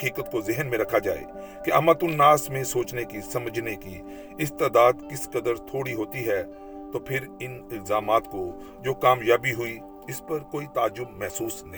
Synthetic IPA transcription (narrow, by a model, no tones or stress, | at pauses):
kiːkət̪kozɪɦənmẽɾɐkʰːad͡ʒa̰ːḛː | keʔɐmat̪ʊnːaːsmẽsoːt͡ʃnekisɐməd͡ʒneki | ɪst̪aːd̪aːd̪kɪskəd̪əɾt̪ʰoːɽiɦoːt̪iɦɛː | t̪oːpʰɪɾɪnɪlzaːmaːt̪ko | d͡ʒoːkaːmjaːbiɦʊi | ɪspɐɾkoːit̪aːd͡ʒːʊbmɛɦsuːsn